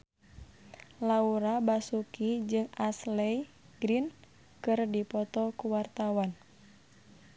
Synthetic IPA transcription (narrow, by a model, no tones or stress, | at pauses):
lauɾabasukid͡ʒɨŋaslɛj | ɡɾin | kɨrdipɔt̪ɔkuwart̪awan